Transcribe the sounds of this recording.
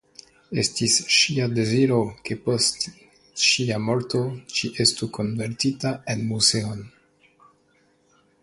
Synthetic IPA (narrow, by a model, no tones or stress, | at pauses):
e̞stisʃiade̞ziɾo̞ke̞po̞st | ʃiamo̞ɾto̞t͡ʃiʔe̞stuko̞nve̞ɾtitae̞nmuze̞on